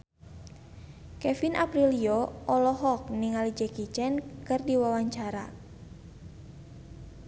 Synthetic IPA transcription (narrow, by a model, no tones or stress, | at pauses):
kɛfinʔapɾiliɔɔlɔɦɔk̚niŋalid͡ʒɛkit͡ʃɛnkɨrdiwawaɲt͡ʃaɾa̰